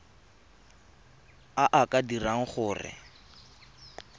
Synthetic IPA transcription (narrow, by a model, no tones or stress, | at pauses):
aʔakadiraŋ̩χʊːrɪ̰